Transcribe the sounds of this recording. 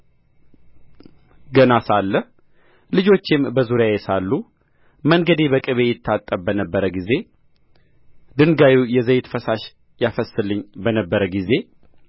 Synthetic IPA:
ɡənasalːəh | lɨd͡ʒo̞t͡ʃːɪmbəzuɾjajɛsalːu | məŋɡəd̪ebəkʼɨβe̞jɪt̪ʰːat̪ʼːəbbənəbːəɾəɡize̞ | d̪ɨnɡajujɛzəjt̪fəsaʃ | jafəsːɨlːɨɲːbənəbːəɾəɡize̞

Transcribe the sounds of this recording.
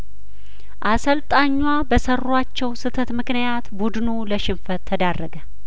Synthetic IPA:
ʔasəlt̪ʼaɲːwabəsərːat͡ʃːɛwsɨt̪ʰət̪mɨknijat̪bud̪nuləʃɪmfət̪ʰːəd̪arːəɡə

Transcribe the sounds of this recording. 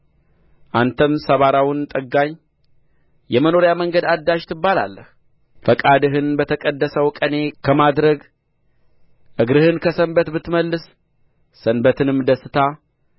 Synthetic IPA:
ʔant̪ʰəmsəβaɾawʊnt̪ʼəɡːaɲː | jɛməno̞ɾjaməŋɡəd̪ad̪ːaʃt̪ʰɨbːala̰lːəh | fəkʼad̪ɨɦɨnbət̪ʰəkʼəd̪ːəsəwkʼəne̞kʰəmad̪ɾəɡ | ʔɨɡɾɨhɨnkʰəsəmbət̪bɨt̪məlːɨsː | ənbət̪ʰɨnɨmːd̪əsːɨt̪ʰa

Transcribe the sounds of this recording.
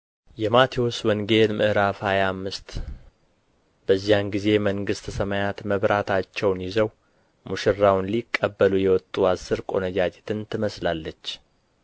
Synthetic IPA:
jɛmat̪ʰiwoswɔŋɡe̞lmʔɨhɾafhajamːɨst̪ | bəzːijanɡize̞məŋɡɨst̪ʰsəmajat̪məβɾat̪ʰat͡ʃːɛwnjizəw | muʃɪrːawnlikʼːəbːəlujɛwɔt̪ʼːuasːɨɾkʼo̞̰nəd͡ʒad͡ʒet̪ʰɨnt̪ʰɨməslalːət͡ʃː

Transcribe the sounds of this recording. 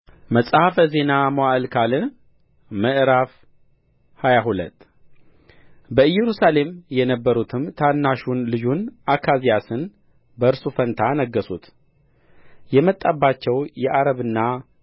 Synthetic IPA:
məsʼhafəze̞namwaʔlkʰalɨn | məʔɾaf | hajaɦulə̰t̪ʼː | bəɨjːɛɾusale̞mjɛnəbːəɾut̪ʰɨmt̪ʰanːaʃunlɨd͡ʒunʔakʰazijasɨn | bəɨɾsufənt̪ʰanəɡːəsut̪ | jɛmət̪ʼːabːat͡ʃːɛwjɛʔaɾəβɨnːa

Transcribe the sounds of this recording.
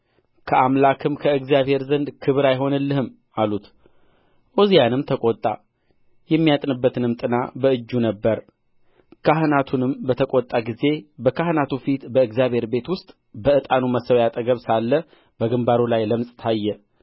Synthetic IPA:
kʰəamlakʰɨmkʰəɨɡzijaβhe̞ɾzənd̪kʰɨβɨɾajɦo̞nɨlːɨhɨm | alut̪ | ʔozijanɨmt̪ʰəkʼot̪ʼːa̰ | jɛmːijat̪ʼnɨbːət̪ʰɨnɨmt̪ʼɨna̰bəɨd͡ʒːunəbːəɾ | kʰaɦɨnat̪ʰunɨmbət̪ʰəkʷʼot̪ʼːaɡize̞bəkʰahɨnat̪ufit̪bəɨɡzjaβhe̞ɾbe̞t̪wʊst̪ʼ | bəɨt̪ʼanuməsəwjat̪ʼəɡəβsalːə | b̥əɡɨmbaɾulajləmsʼt̪ʰajːɛ

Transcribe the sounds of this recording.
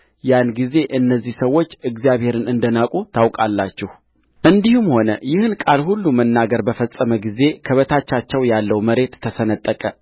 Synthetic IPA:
janɡize̞ʔɨnːəzːihsəwːo̞t͡ʃːɨɡzjaβhe̞ɾɨnɨnd̪ənakʼut̪ʰawkʼalːat͡ʃːɪh | ʔɨnd̪ihumho̞nəjɪhɨnkʼalhulːumənːaɡəɾbəfəsʼəməɡize̞kʰəβət̪ʰat͡ʃːat͡ʃːɛwjalːəwməɾe̞t̪ʰːəsənət̪ʼːəkʼə

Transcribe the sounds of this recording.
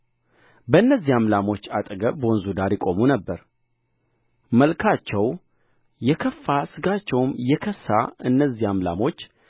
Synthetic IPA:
bəɨnːəzːihamlamo̞t͡ʃːat̪ʼəɡəbəɔnzud̪aɾjɪkʼo̞munəbːəɾ | məlkʰat͡ʃːɛw | jɛkʰəfːasɨɡat͡ʃːɛwmjɛkʰəsːa̰ɨnːəzːiamla̰mo̞t͡ʃː

